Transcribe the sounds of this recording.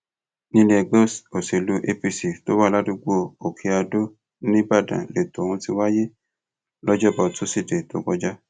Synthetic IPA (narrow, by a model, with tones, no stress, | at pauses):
nĩ˦le˧ɡ͡bo˦˨so˨se˨lu˨˦ʔe˧pi˧si˨to˦wa˦˨la˦du˧ɡ͡bo˦˨o˨kʰi˧a˧do˦ | nĩ˦ba˦˨dã̰˨le˨to˨wũ˧ti˧wa˦je˦ | lɔ˦d͡ʒɔ˦˨bɔ˧tu˦si˦˨de˨to˨˦ɡ͡bɔ˧d͡ʒa˦